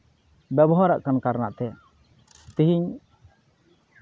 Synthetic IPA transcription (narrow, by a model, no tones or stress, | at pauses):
bɛbɔɦaɾa̰ʔkankaɾnaʔt̪ɛ | t̪iɦiɲ